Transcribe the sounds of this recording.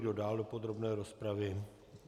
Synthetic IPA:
dodaːldo̞po̞d̪ɾo̞bnɛːɾo̞spɾavɪ

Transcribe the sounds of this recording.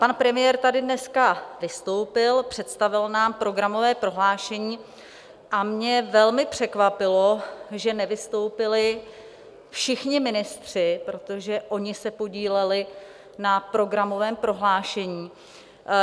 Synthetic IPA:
panpɾɛmɪjɛɾt̪adɪdnɛskavɪst̪o̞wpɪlpr̥ɛt̪st̪avɪlnaːmpɾo̞ɡɾamo̞vɛːpɾo̞ɦlaːʃɛɲiː | ʔamɲɛvɛlmɪpr̝̥ɛkvapɪlo̞ʒɛnɛvɪst̪o̞wpɪlɪ | fʃɪxɲɪmɪnɪst̪r̝̥ɪpɾo̞t̪o̞ʒɛʔo̞ɲɪsɛpo̞ɟiːlɛlɪ | napɾo̞ɡɾamo̞vɛːmpɾo̞ɦlaːʃɛɲiː

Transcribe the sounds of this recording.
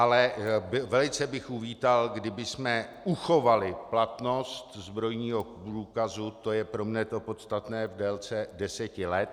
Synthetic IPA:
ʔalɛbvɛlɪt͡sɛbɪxʔuviːt̪alɡdɪbɪsmɛ | uxo̞valɪplat̪no̞st̪zbɾo̞jɲiːɦo̞pɾuːkazut̪o̞jɛpɾo̞mɲɛt̪o̞po̞t̪st̪at̪nɛːvdɛlt͡sɛdɛsɛcɪlɛt̪

